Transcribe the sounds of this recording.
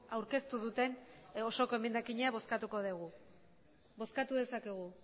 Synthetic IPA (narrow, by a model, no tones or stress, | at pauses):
awɾke̞st̪uðut̪e̞no̞so̞ko̞emend̪akiɲeaβo̞skat̪uko̞ðeɣ̞u | bo̞skat̪uðe̞sakeɣ̞u